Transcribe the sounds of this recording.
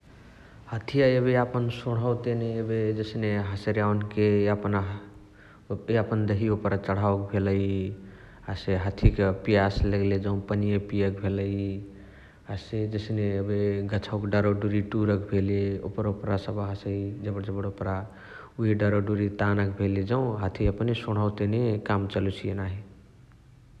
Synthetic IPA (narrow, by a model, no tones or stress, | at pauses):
hət̪ʰijaebeapənsoɽ̤əwt̪eneebed͡ʒəsneɦəsɾjankeəpn | əpənd̪eɦiopɾat͡ʃəɽ̤aokbʱeləj | aseɦət̪ʰikepijasləɡled͡ʒə̃ʊ̃pənijepijəkbʱeləj | ased͡ʒəsneəbeɡət͡ʃʰaʊkɖaɾoɖuɾiʈuɾəkbʱeleo̰pəɾopɾasəbɦasəid͡ʒəbəɽd͡ʒəbəɽopɾa | uɦiɖaɾoɖuɾit̪anəkbʱeled͡ʒəʊ̃ɦat̪ʰiəpnesoɽ̤awt̪enekamt͡ʃəlut͡ʃʰienaɦi